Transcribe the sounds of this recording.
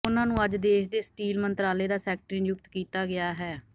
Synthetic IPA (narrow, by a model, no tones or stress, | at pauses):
ʊnãːnũːəd͡ʒd̪eːʃd̪eːsʈiːlmənt̪ɾaːleːd̪aːsɛːk̚ʈɾĩːnjʊk̚t̪kiːt̪aːɡɪaːɦɛː